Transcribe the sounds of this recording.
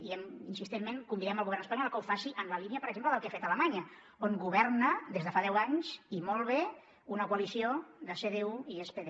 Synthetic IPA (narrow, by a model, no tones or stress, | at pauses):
iɛminsist̪emmeŋkumbiðɛməlˠɣuβɛrnəspaɲɔlˠkəwfasiʔənləliniəpəɾəɡzempləðəlˠkefet̪ələmaɲə | oŋɡuβ̞ɛrnəðezðəfaðɛwaɲzimolˠβ̞e | unəkuəlisioðəseðeuiespeðe